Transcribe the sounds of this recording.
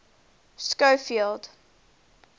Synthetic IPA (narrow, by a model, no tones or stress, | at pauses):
skoʊfilˠd̥